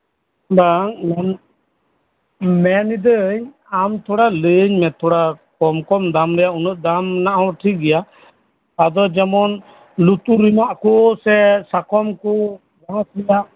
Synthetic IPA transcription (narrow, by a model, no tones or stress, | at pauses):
baŋmɛn | mɛnid̪əɲ | amt̪ʰɔɽaləɲmɛt̪ʰɔɽakɔmkɔmd̪amɾɛjaunɔʔ̪̚d̪amnaʔawʈʰikɡɛjaː | d̪ɔd͡ʒɛmɔn | lut̪uɾimaʔkɔsɛsakɔmkɔ | baslɛja